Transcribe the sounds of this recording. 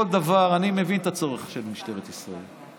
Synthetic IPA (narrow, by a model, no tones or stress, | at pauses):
old̪avaʁanimevint̪at͡so̞ʁeχʃelmiʃt̪eʁet̪isʁaḛl